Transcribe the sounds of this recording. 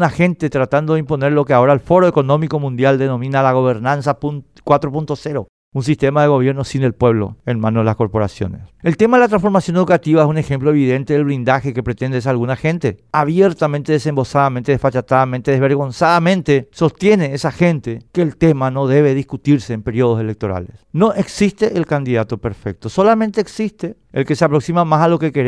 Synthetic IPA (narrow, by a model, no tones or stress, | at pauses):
naxe̞nt̪e̞t̪ɾat̪and̪oðeimpo̞neɾlo̞keao̞ɾaelfo̞ɾo̞eko̞nõ̞miko̞mũnd̪jald̪e̞no̞mĩnalaɣo̞βeɾnansapun | kwat̪ɾopunt̪o̞seɾo | uns̬ist̪e̞maðe̞ɣo̞βje̞ɾnosinelpwe̞βlo̞̰enmãnoðelasko̞ɾpo̞ɾa̰sjo̞̰nḛselt̪emaðelat̪ɾãnsfo̞ɾmasjo̞ne̞ðukat̪iβaesune̞xe̞mploeβiðe̞nt̪eðelβɾind̪axekepɾet̪e̞nd̪ees̬alɣunaxe̞nt̪e̞aβjeɾt̪ament̪eðesembo̞saðament̪e̞ðesfat͡ʃat̪aðament̪eðeβe̞ɾɣo̞nsaðamẽnt̪e̞so̞st̪je̞neesaxe̞nt̪ekeːlt̪emano̞ðe̞β̞eðiskut̪iɾseːmpeɾjoð̞o̞se̞lek̚t̪o̞ɾa̰lḛsno̞ʔeksist̪e̞ʔelkand̪iðat̪o̞peɾfek̚t̪o̞so̞lament̪eːksist̪e | elkeseapɾo̞ksimamasalo̞kekeɾ